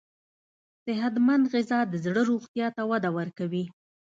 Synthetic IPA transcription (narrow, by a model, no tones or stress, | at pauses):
sɪɦat̪mand̪ɣɪzɑd̪əzɽəɾoɣt̪jɑt̪awad̪awəɾkawi